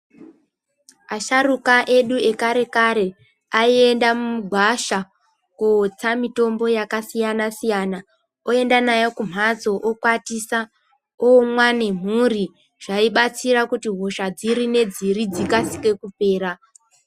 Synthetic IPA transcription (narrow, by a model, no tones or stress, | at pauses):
aʃarukaʔe̞ɗue̞kaɾe̞kaɾe̞ | aie̞ndamumuɡʱwaʃa | kot͡samito̞mbo̞jakasijanasijana | oe̞ndanajokum̤ʱazo̞ʔokwatisa | omwane̞m̤uri | ʐ̥aiɓat͡siɾakutiɦo̞ʃad͡ziɾine̞d͡ziɾid͡zikasi̥ke̞kupe̞ːɾa